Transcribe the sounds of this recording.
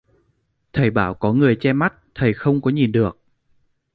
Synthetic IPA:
t̪ʰə˨˩jɓaː˧˩wkɔ˨˦ŋɨ˨˩əjt͡ɕɛ˧ma˦˥t̚t̪ʰə˨˩jxə˧wŋ͡mkɔ˨˦ɲi˨˩nɗɨ˨˩ək̚

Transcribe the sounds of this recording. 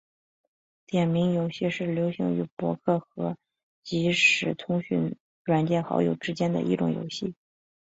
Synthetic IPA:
t̪jɛ˨˩nmi˧˥ŋjo˧˥ʊɕi˥˧ʂɻ̩˥˩ljo˧˥ʊɕi˧˥ŋy˧˥pwɔ̰˧˥kʰɤ˥˩xɤ˧˥ | t͡ɕi˧˥ʂɻ̩˨˩t̪ʰʊ˥ŋɕy̰˥˩n | ɻwa˨˩nt͡ɕjɛ˥˩nxɑ̰˧˥ʊjo̰˨˩ʊʈ͡ʂɻ̩˥t͡ɕjɛ˥nd̪ə̰˨ʔḭ˧˥˩ʈ͡ʂʊ˨˩ŋjo̰˧˥ʊɕi˥˩

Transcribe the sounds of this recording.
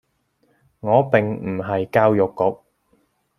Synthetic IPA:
ŋɔː˨˧pɪ˨ŋm̩˨˩ɦɐ˨jkaː˥wjʊ˨kːʊ˨˥k̚

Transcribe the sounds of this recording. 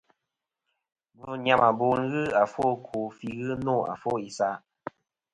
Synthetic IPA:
b̩˨ɲa˦˨mʔa˨bo˨ŋ̩˦ɣɨ˦a˨fo˦kʰo˨fi˦ɣɨ˦no˦˨a̰˨fo˦˨i˨sa˦ʔ

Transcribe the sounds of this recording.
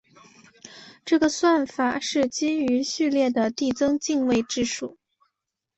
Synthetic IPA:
ʈ͡ʂɤ˥˩ɡə˩swa˥˩nfa˨˩ʂɻ̩˥˩t͡ɕi˥y˧˥ɕy˥˧ljɛ˥˩d̪ə˩t̪i˥˩t͡sɤ˥ŋt͡ɕi˥˧ŋwe˥˧ɪʈ͡ʂɻ̩˥˧ʂu˥˩

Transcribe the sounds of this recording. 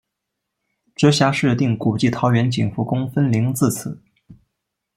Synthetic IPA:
ʈ͡ʂɤ˧˥ɕja˥ʂɻ̩˥˧t̪i˥˩ŋku˨˩t͡ɕi˥˩t̪ʰɑ˧˥ʊɥɛ˧˥nt͡ɕḭ˨˩ŋfu˥˩kʊ˥ŋfə˥nli˧˥ŋt͡sɹ̩˥˩t͡s̩ʰ˨˩˦

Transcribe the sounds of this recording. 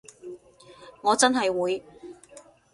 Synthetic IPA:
ŋɔː˨˧t͡sɐ˥nɦɐ˨jwuː˨˧j

